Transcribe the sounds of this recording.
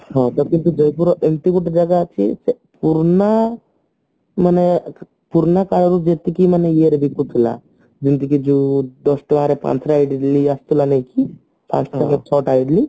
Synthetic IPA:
hɔ̃ːt̪okint̪ud͡ʒɔjpuɾoʔent̪ikuʈːd͡ʒɐɡat͡ʃʰisepuɾɳa | mɐne | puɾɳakalɐɾud͡ʒet̪ikimɐnejeːɾbikːut̪ʰula̰ | d͡ʒint̪̬ikid͡ʒud̪ɔsʈʋaːɾepa̰nsɾajiɖiliɐst̪ulɐneːki | pʰa̰ːsʈɐŋɐt͡ʃʰɔːʈaːjɖli

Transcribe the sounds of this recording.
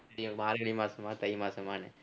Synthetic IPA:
ɽɪjɐmaːɾɐɐɽimaːsɐmaːt̪ɐjmaːsɐmaːnɐ̰

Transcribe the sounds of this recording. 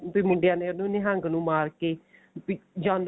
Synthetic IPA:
piːmʊɳɖɪjãːneːnũneɦəŋɡnũːmaːɾkeː | pid͡ʒãːnd

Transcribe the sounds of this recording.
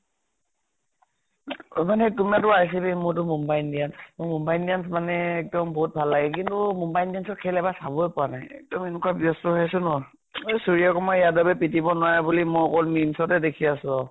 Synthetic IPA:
manɛtumiatʊajs̬ibimʊɹt̬ʊmumbajndiansmʊmumbajndiansmanɛːk̚dɔmboɦut̚bʱalːaɡɛk̬intʊmumbajndiansɔtkʰɛlɛbasabɔjpɔanajɛ̰k̚dɔmenukabiɔstɔɦjasʊnɔ | ejsuɹijakɔmɔijadbabɛpitibɔnwajbulimɔjɔkɔlmimsɔtɛdekʰiasʊɔ

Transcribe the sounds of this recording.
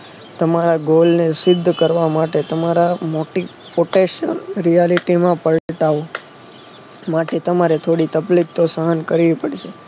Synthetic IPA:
t̪əmaɾaɡolnesɪd̪ʱːkəɾʋamaʈet̪əmaɾamoʈi | poʈeʃə̰lɾijaliʈimãpəɭʈaʋ | maʈet̪əmaɾet̪ʰoɽit̪əplik̚t̪osəɦənkəɾiʋipəɽʃʰe

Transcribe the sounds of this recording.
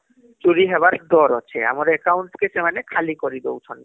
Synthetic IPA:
t͡ɕuɾiɦɛbaɾd̪ɔɾɔ̰t͡ɕʰḛa̰maɾekawɳʈkesemanekʰalikoɾid̪o̰wt͡ɕʰɔn

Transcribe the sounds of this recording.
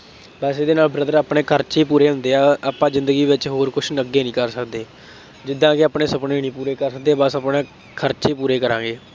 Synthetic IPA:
bəsed̪eːnaːlbɾəd̪əɾaːpɳeːkʰəɾt͡ʃiːpuːɾeːɦʊ̃nd̪eːaːaːpãːzɪnd̪əɡiːʋɪt͡ʃɦoːɾkʊt͡ʃʰnəɡːeːnĩːkəɾsəkd̪eː | d͡ʒɪd̪ːãːkɪaːpneːsəpneːnĩːpuːɾeːkəɾsək̚d̪eːbəsapnẽː | kʰəɾt͡ʃeːpuːɾeːkəɾã̰ːɡeː

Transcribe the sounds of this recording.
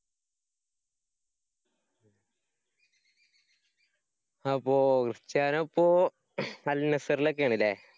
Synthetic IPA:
ɐpːoːkrɨt͡ɕːaːnɐpːoː | ɐlnɐsɐɾilok̬ːeaːɳilːe

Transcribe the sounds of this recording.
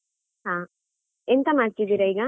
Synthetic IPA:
ɦãː | ent̪ɐmaːɽkid̪iːɾɐiɡɐ

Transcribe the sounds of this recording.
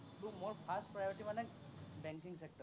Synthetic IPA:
bumoɹpʰastpɹajɔɹʈimanɛk̚ | bɛŋkiŋsɛk̚ʈɔ

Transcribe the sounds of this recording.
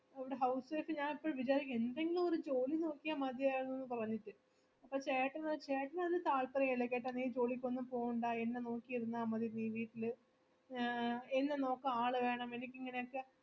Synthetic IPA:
ɐʋiɽeɦɐwsʋeːfɨɲaːnipːoːɭʋit͡ɕaːɾikʲːend̪eŋɡilumoɾud͡ʑo̞ːlino̞ːkːijɐmɐd̪jaːjnːuenːɨp̬ɐrɐɲːiʈːɨ | ɐpːoːt͡ɕeːʈːɐnɐt͡ɕe̞ːʈːɐnɐðɨt̪aːɭpɐrɐjiɭɐkʲːeːʈ̬ːɐniːd͡ʑo̞ːlikʲːonːɨmpo̞ːɣuɳɖaːe̞nːeno̞ːkːijiɾunːɐaːmɐðinːiːʋiːʈːilɨ | enːeno̞ːkːɐaːɭɨʋe̞ːɳɐme̞nikʲːiŋːɐne̞jokːe̞

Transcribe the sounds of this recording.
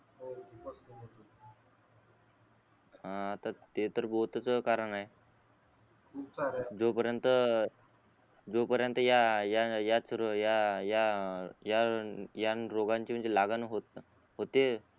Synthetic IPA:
ɦãːt̪at̪et̪əɾbot̪t͡səkaɾəɳaɦe | kʰuad͡zopəɾjənt̪ə | d͡zopəɾjənt̪əjajajat͡sɾəjajajajanɾoɡãɲt͡ɕim̤əɳd͡zelaɡanɦot̪ | ɦot̪e

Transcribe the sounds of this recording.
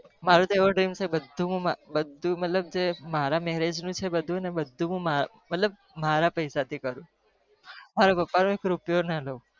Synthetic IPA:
maɾũt̪oeʋoɖɾimsebəd̪ʱːũɦũmabəd̪ʱːũmət̪ləb̚d͡ʒemaɾamɛɦɾed͡ʒnũt͡ʃʰebəd̪ʱũənebəd̪ʱːũɦũma | mət̪ləb̚ | maɾapəjsat̪ʰikəɾũ | maɾopəpːanũekɾupjonaləũ

